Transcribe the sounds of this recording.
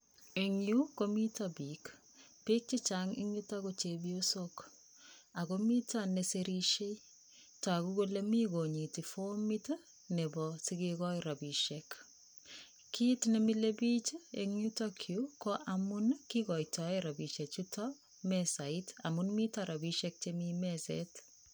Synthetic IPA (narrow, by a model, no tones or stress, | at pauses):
eŋjukomitabik | pik̚t͡ʃit͡ʃaŋḭŋjutakot͡ʃebiosok | akomitaneseɾiʃei | tɔakukolemiɡoɲitifomit | nebɔsiɡekɔjɾabiʃek | kitnemilebit͡ʃeḛŋɲutɔkʰjukɔʔamunkikɔjtɔeɾabiʃet͡ʃutʰɔ | mɛsaita̰munmitaɾʔabiʃɛk̚t͡ʃemimɛsɛ̰t